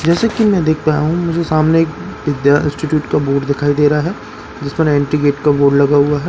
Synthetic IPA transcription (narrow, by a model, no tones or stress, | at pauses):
d͡ʒɛːsekimɛ̃d̪eːk̚ʰpaːjaɦũmʊd͡ʒʱesaːmneeːk̚ʋɪd̪jaɪ̰̃nsʈiʈjuːʈkaboːʈd̪ɪkʰaːid̪eːɾaɦɛː | d͡ʒɪspɐnɛ̃ːɳʈɾiɡeːʈkaboːɖlɐɡaɦʊaɦɛː